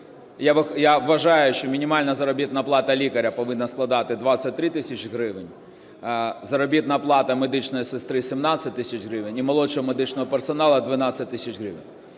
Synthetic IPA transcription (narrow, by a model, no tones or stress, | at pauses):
jaʋɪxjaʋːɐʒɑjʊʃt͡ʃɔmʲinʲimalʲnɐzɐɾɔbʲit̪nɐplˠɑt̪ɐlʲikɐɾʲɐpɔʋɪnːɐsklˠɐd̪ɑt̪ɪd̪ʋat̪sʲɐt̚ʲt̪ːɾɪt̪ɪsʲɐt͡ʃɦɾɪʋɪnʲ | zɐɾɔbʲit̪nɐplˠɑt̪ɐmed̪ɪt͡ʃnɔjisɪst̪ɾɪsʲimnasʲɐt̚ʲt̪ɪsʲɐt͡ʃɦɾɪʋɪnʲimɐlˠɔt͡ʃɔɦɔmed̪ɪt͡ʃnɔɦɔpersɔnɑlˠɐd̪ʋɪnɑt̪sʲːɐt̚ʲt̪ːɪsʲɐt͡ʃɦɾɪʋɪ̰nʲ